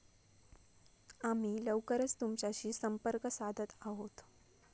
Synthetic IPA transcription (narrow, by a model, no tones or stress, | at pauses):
amiːləwkəɾət͡st̪umt͡ɕjaɕiːsəmpəɾkəsad̪ʱət̪aɦot̪